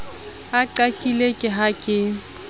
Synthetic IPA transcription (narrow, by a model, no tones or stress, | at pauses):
aǃakʼilekʼɪɦakʼɪ